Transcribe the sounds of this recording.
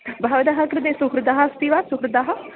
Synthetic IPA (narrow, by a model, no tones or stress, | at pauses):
bʱaːʋd̪aɦakɾəd̪esʊkɾəd̪aːɦast̪iʋaːsʊkʰɾəd̪aːɦa